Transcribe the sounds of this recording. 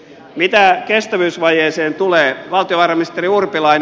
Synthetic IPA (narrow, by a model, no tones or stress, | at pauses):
mit̪ækest̪æʋyːsʋɑjeːseːnt̪uleːʋɑlt̪ioʋɑːrɑmiist̪eriurpilɑin